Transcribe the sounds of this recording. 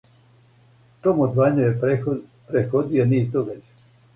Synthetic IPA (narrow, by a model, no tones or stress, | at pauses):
t̪omod̪ʋaɲujepɾexod̪ioniːzd̪oɡad͡ʑa